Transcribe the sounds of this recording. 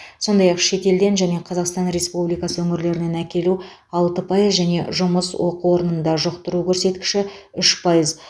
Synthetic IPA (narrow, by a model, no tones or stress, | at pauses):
so̞nd̪ɑjɑqʃe̞t̪e̞ld̪e̞nʒæne̞qʰɑzɑqst̪ɑnɾe̞spublijkɑsəwɵŋɪɾle̞ɾɪne̞nækʲe̞lu | ɑlˠt̪əpʰɑjəʒæne̞ʒʊməswo̞quwo̞ɾənənd̪ɑʒoqt̪əɾukʲʰɵɾse̞t̪kʲɪ̥ʃɪʏʃpʰɑjəz